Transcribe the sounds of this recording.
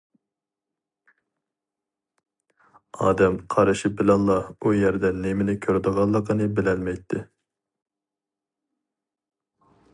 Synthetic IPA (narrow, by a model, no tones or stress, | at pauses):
ɑ̰ːd̪ɛmqʰɑɾɨʃip̚bɪlɛnˠlːˠɑujɛɾd̪ɛnːɪmɪnɪkʲʰøɾd̪əʁɑlˠːəqənɨbɪlɛnmɛjt̪ʰːɪ